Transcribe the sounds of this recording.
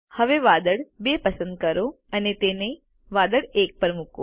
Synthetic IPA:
hɐʋeʋaːd̪əɽbeːpɐsə̃nd̪̚kɐɾo | ɐnet̪eːne | ʋaːd̪əɽeːk̚pəɾmʊko̰

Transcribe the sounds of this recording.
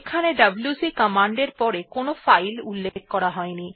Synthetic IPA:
kʰaneɖabljusikamaɳɖeɾpɔɾekonofajlulːek̚kɔɾaɦɔeni

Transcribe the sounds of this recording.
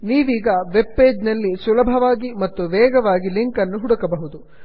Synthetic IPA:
niːʋiːɡɐʋe̞bːeːd͡ʒnɐlːisulɐbʱɐʋaːɡimɐt̪ːuʋɛːɡɐʋaːɡiliŋkɐnːuɦuɽukɐbɐɦud̪u

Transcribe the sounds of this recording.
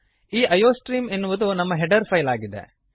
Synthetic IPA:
iːʔɐjoːsʈɾiːmenːuʋɐd̪unɐmːɐɦeɖɐɾpʰɐjlaːɡid̪ḛ

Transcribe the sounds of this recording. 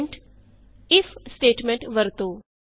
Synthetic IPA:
ɳʈ | ɪfsʈeːʈmẽɳʈʋəɾt̪oː

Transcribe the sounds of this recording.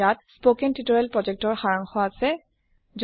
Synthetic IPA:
at̚spokɛntitɔɹɛlpɹɔzɛk̚tɔɹxaɹaŋxɔasɛ | z

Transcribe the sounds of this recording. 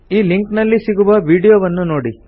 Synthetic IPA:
iːliŋknɐlːisiɡuʋɐʋiːɽijoːʋɐnːunoːɽi

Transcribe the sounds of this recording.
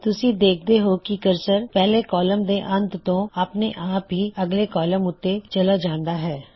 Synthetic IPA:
t̪ʊsĩd̪eːk̚ʰd̪eɦoːkikəɾsəɾpɛːlekɔːləmd̪eʔɐ̃nt̪t̪õapneʔaːp̚iɐɡlekɔːləmʊt̪ːet͡ʃɐlad͡ʒãːnd̪aɦɛː

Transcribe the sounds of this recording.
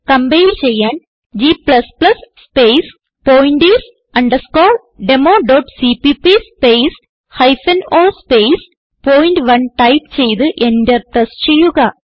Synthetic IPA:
kɐmbejilt͡ɕe̞jːaːn | d͡ʑiːplɐsplɐsspejs | poːjiɳɖis | ɐɳɖɐskoːl | ɖemoːɖoːʈsipipispejs | hɐjfɐnoːspejs | poːjnɖʋɐnʈɐjpt͡ɕe̞jt̪ɨʔe̞ndet̪ɐst͡ɕe̞jːuɣɐ

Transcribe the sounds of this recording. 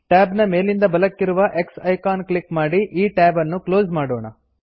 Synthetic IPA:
ʈaːbnɐme̞ːlind̪ɐbɐlɐkːiɾuʋɐʔe̞ksɐjkaːnklikmaːɽiʔiːʈaːbɐnːuklo̞ːzmaːɽoːɳɐ

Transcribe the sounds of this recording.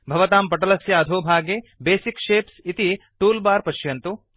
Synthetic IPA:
bʱɐʋɐt̪aːmpɐʈɐlɐsjɐːd̪ʱoːbʱaːɡeːbeːsikʃeːpsit̪i | ʈuːlbaːɾpɐʃjɐnt̪u

